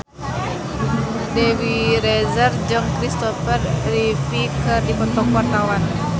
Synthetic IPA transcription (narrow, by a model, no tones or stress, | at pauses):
dɛwiɾɛzərd͡ʒɨŋkɾist̪ɔfərrifikɨrdipɔt̪ɔkarawan